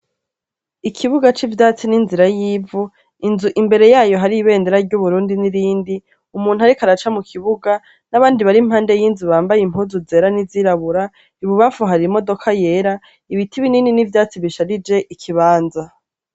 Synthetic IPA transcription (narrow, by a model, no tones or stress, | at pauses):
ikʰiβuɡat͡ʃivjdaːt͡sininziɾajiːvu | inzuʔimbe̞ɾe̞jaːjo̞ɦaɾiiβe̞ːndeɾaɾɟuβuɾuːndiniɾiːndi | umuːn̥uhaɾikaɾat͡ʃamukʰiβuɡa | naβaːndiβaɾim̥haːnde̞jiːnzuβaːmbajim̥huːzuze̞ːɾaniziɾaβuɾa | iβuβafuɦaɾimo̞do̞kʰaje̞ɾa | iβitʰiβinininivjaːt͡siβiʃaɾid͡ʒe̞ʔikʰiβaːnza